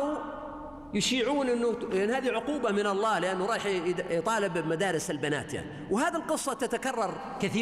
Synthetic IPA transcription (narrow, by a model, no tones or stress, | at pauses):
jʊʃiːʕuːnʔɪnːʊanːhaːðiʕʊquːbamɪnɑlˤːɑːlɪʔanːʊɾˤɑːħt̪ˤɑːlɪbmad̪aːɾɪsalbana̰ːt̪ja̰ʕniwhaːðilqɨsˤːɑt̪at̪akɑrˤːɑɾˤ | kaθiː